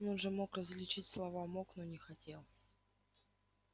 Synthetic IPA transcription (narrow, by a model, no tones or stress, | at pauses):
nonʐɛmo̞krəzlʲɪt͡ɕitʲslˠɐvamoknonʲɪxɐtʲelˠ